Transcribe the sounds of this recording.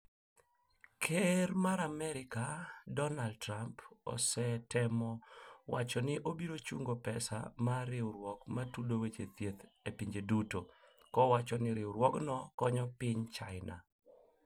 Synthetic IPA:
kʰeɾmaɾamɛɾɪkadɔnaldtɾampɔ̰sɛtɛmɔwat͡ʃɔnɪʔobiɾot͡ʃṵŋɡopɛsa̰maɾɪwɾwɔkmatulowet͡ʃet̪jet̪epiɲd͡ʒeduto | kɔwat͡ʃɔnɪɾɪwɾwɔknɔkɔɲɔpɪɲt͡ʃaɪnʔa̰

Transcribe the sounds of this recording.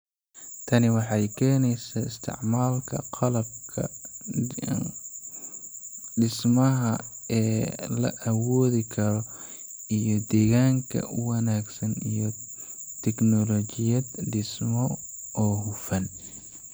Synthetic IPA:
t̪ʰɐnɪwɑħɑjkʰɛːnɛjsaɪst̪ʰɪ̰ʕmaːlkʰɐ̰qʰɑlɐb̚kʰɐ̰ | ɖɪsmɐɦɐɛːlɐ̰ʔɐwɔːðɪkʰɐɾɔ | ijɔd̪ɛːɣaːŋkʰɐ̰wɐnaːɡsɐnḭjɔ | t̪ʰɛknɔlɔt͡ʃɪjɐd̪ɖɪsmɔʔɔːhʊfɐn

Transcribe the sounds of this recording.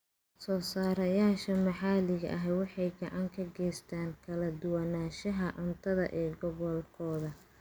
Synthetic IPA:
sɔːsaːɾɐjaːʃɐmɐħaːlɪɣɐʔɐɦɛwɑħɑjɡɐʕɑŋkʰɐɡɛjst̪ʰaːŋkʰɐlɐd̪ʊwɐnaːʃɐɦɐʔʊnt̪ʰɐðɐ̰ʔɛːɡɔɣɔlkʰɔːðɐ

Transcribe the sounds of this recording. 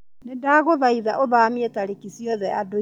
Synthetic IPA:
nedaːɣoðaiðaʔoðamiɛtaɾekisjɔðɛado

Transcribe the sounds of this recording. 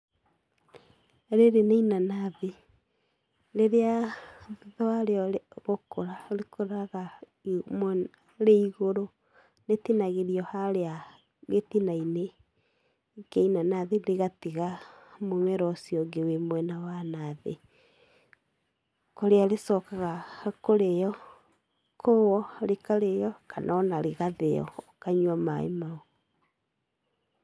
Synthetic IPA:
ɾeɾeneinanaðe | leɾea | ðɔaɾeɔɣokoɾaɾekʰoɾaɣa | m | ɾeiɣoɾo | netinaɣeɾiɔhaɾea | ɣetinaine | keinanaðendeɣatiɣamomɛɾɔsiɔɡewemwɛnawanaðḛ | koɾeaɾesɔkaɣakoɾejɔ | kʰowɔɾekaɾejɔkanʔɔnaɾeɣaðejɔ̰kaɲwama̰ḛmaɔ

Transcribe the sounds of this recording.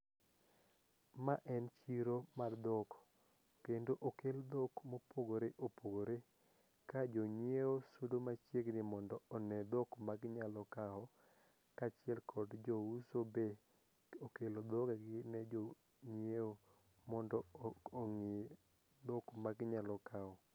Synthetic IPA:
maʔɛnt͡ʃiɾomard̪ɔkɔ̥ | kendoʔokeld̪okmopoɡoɾeʔopoɡoɾe | kad͡ʒɔɲjeosodomat͡ʃjeɡnɪmɔndɔɔnɛd̪ɔkmaɡɲalɔkaɦɔ | kat͡ʃɪɛlkʰɔdd͡ʒɔusobe | okelod̪ɔkaɡɪnɛd͡ʒo | ɲeo | mɔndɔoŋɪ | d̪ɔkmaɡɲalɔkaɔ

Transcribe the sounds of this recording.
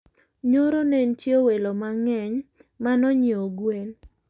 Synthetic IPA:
ɲoɾonentjowelomaŋɛɲmanɔɲɪoɡwen

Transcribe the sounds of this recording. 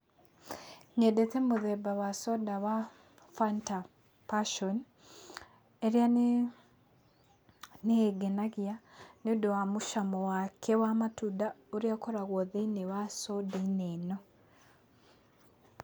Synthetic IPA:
ɲedetɛmoðɛbawasɔdawa | fanta | paʃɔn | eɾja | neeɡenaɣianodowamoʃamɔwakʰɛwamatudaoɾiakɔɾaɣwɔðinewasɔdainenɔ

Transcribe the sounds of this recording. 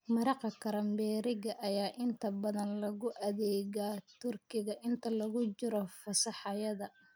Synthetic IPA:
mɐɾɑqɐkʰɐɾɐmbɛːɾɪɣɐʔɐjaːʔɪnt̪ʰɐbɐðɐnlɐɣʊʔɐðɛːɣat̪ʰʊrkʰɪɣɐʔɪnt̪ʰɐlɐɣʊt͡ʃɪɾɔfɐsɑħɑjɐðɐ

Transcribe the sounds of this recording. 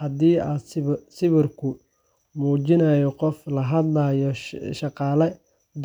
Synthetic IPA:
hɐd̪iːasɪβɪrkʰʊ | muːt͡ʃɪnaːjɔqɔflɐɦɐd̪laːjɔʃɑqɑːlɛ | d̪

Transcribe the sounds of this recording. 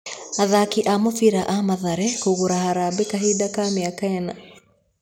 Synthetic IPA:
aðakiʔamɔfiɾaʔamaðaɾɛkuɣuɾahaɾabikaɦiɗakamiakaɛna

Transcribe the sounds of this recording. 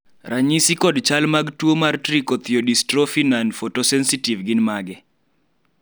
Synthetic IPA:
raɲisikɔdt͡ʃalmaɡtuomartɾikot̪joɗistɾofinanfotosɛnsitivɡɪnmaɡɛ

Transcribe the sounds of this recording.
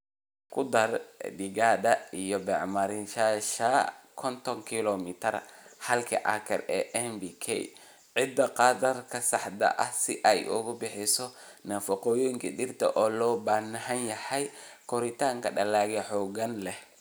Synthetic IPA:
kʰʊd̪ɐrɖɪɣaːd̪ɐijɔbɛːʕmɐɾɪnʃaʃakʰɔnt̪ʰɔŋkʰilɔmɪt̪ʰɐrhɐlkʰɐ̰ʔɐ̰kʰɐ̰rɛːʔɛnbikʰɛ̰j | ʕɪd̪ɐqɑːd̪ɐrkʰɐsɑħd̪ɐ̰ʔɐhsɪʔɐjʔʊ̰ɣʊbɪħɪsɔnɐfɐqɔːjɔjɪŋkʰɐɗɪrt̪ʰɐ̰ʔɔːlɔːbanɐhɐnjɐħɐjkʰɔɾɪt̪ʰaːŋkʰɐɖɐlaːɣɛħɔːɣɐnlɛh

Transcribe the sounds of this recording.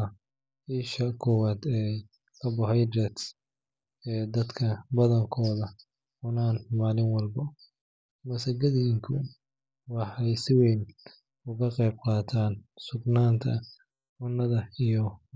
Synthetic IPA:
ɐ | iːʃɐkʰɔwaːd̪ɛːj | kʰɐbɐɦɑjd̪ɾɛt̪s | ɛːd̪ɐd̪kʰɐbɐðɐŋkʰɔːðɐ | ʊnaːnmaːlɪnwɑlbɐ | mɐsɐɡɐðɪŋkʰʊ | wɑħɑjsɪwɛjn | ʊɣɐqɛjb̚qɑːt̪ʰaːnsʊɡnaːnt̪ʰɐ | ʊnːɐðɐijɔ

